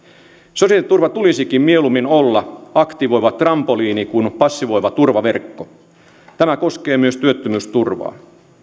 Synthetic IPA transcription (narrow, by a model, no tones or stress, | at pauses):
sosiɑlit̪ːurʋɑt̪ulisikimmielumːinolːɑɑkt̪iʋo̞jʋɑt̪rɑmpoliːnikunpɑsːiʋo̞jʋɑt̪urʋɑʋe̞rkːo | t̪æmæko̞ske̞ːmyøst̪yøt̪ːømyst̪urʋɑ̰ː